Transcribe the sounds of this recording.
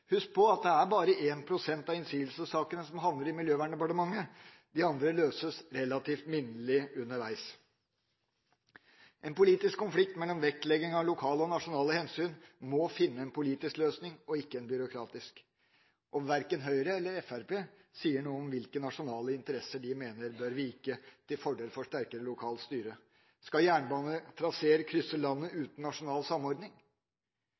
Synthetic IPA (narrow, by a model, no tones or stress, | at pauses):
hʉs̚pʰɔɑt̪̚d̪ɛæɾbɑːɾəʔeːnpʰɾʊsɛnt̪ɑɪnsyːəlsəsɑːkənəsɔmɦɑnd̪ləɾɪmɪljøːʋæːɳɖ̪ɛpɑʈəmɑŋːə | d̪ɪɑnd̪ɾəløːsəsɾɛlːɑt̪ʰiːft̪mɪnəlɪʉnːəɾʋæɪs | ʔɛnpʊliːt̪ɪskʰːɔnflɪk̚t̪mɛlːɔmʋɛk̚t̪lɛɡɪŋɑʋlʊkʰɑːləɔnɑʂʊnɑːləhɛnsyːnmɔfɪnːəɛnpʰʊliːt̪ɪskløːsnɪŋɔɪkːəɛnbʏɾʊkʰɾɑːt̪ɪsk | ʔɔmʋæɾkənɦœʏɾəɛlːəɾɛfæɾpʰeː | siːəɳuːəɔmʋɪlkənɑʂʊnɑːləɪnt̪əɾɛsəɖɪmeːnəɾbøɾʋɪɪkːət̪ʰɪlfɔɖeːlfɔʂʈæɾkəɾəlʊkʰɑːlst̪yːɾə | skɑjæːɳbɑːnət̪ʰɾɑseːɾəkʰɾʏsəlɑnːəʉːt̪n̩ːɑʂʊnɑːlsɑmːɔɾd̪nɪŋ